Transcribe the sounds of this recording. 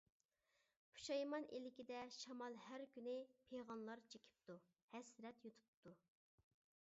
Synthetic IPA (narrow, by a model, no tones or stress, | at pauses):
pʰu̥ʃɑjmɑnʔelɪkʲid̪ɛʃɑmɑlˠhæɾkʲynɪpʰeʁɑnlˠɑɾt͡ʃʰekʲʰi̥p̚t̪u | hɛsɾɛt̪jut̪ʰu̥pt̪ʰu